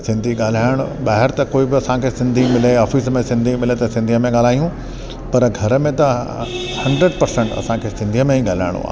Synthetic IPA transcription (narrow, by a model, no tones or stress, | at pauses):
sɪ̃nd̪ʱiɠaːl̤aːɪɽ̃ɓaːɦɪɾt̪ɐkoːibɪɐsãkʰesɪ̃nd̪ʱimɪleɔːfismẽsɪ̃nd̪ʱimɪlet̪ɐsɪ̃nd̪ʱiəmẽɠaːl̤aːijũ | pɐɾɡʱɐɾmẽt̪ɐ | hɐ̃ɳɖɾəɖpɐɾsẽɳʈɐ̰sãkʰesɪ̃nd̪ʱiəmẽɦĩɠaːl̤a̰ːɪɽ̃o̰a̰ː